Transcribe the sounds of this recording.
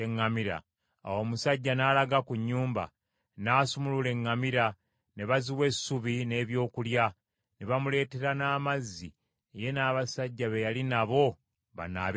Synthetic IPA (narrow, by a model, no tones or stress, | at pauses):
eŋːamiɾa̰ | a̰wo̞ːmusaɟːanaːlaɡakuɲːuːmba̰ | naːsumulule̞ŋːamiɾa | neβaziwe̞suβine̞ːβjo̞ːkulja | neβamule̞ːte̞ɾanaːmazːi | eje̞naːβasaɟːaβejalinaβo̞ | βa̰na̰β